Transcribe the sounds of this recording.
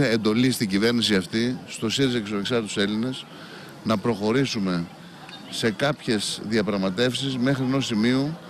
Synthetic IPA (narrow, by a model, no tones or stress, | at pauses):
end̪o̞list̪iɟive̞ɾnisiɐft̪ist̪o̞siɾizecesɐneksɐɾt̪it̪u̥se̞line̞s | nɐpɾo̞xo̞ɾisume̞ | se̞kɐpçe̞sðiɐpɾɐɣmɐt̪e̞fsizme̞xɾieno̞simio